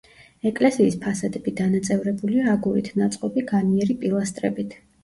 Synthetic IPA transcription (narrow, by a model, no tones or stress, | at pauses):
ɛkʼlɛsiːspʰasad̪ɛb̥id̪anat̪sʼɛvɾɛbuliaːɡuɾḭt̪ʰnat̪sʼqʼɔbiɡaniɛɾipʼilˠast̪ʼɾɛ̰bit̪ʰ